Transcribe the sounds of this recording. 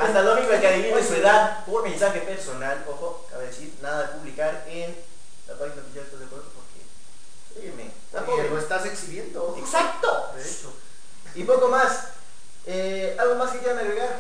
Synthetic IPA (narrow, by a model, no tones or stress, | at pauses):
ast̪alomikoelkaɾiβioesue̞ðaðpomẽnsaxepe̞ɾso̞naloxoka̰βeðesiɾnaðaðepuβlikaɾ | en | la̰paðinapijaetpezðepwetopoɾkḛ | sɾiemḛ | aoeloest̪aseksiβjend̪oeksak̚t̪o | eto | ipo̞ko̞mas | e | alɣo̞maskekeðanaβeɣaɾ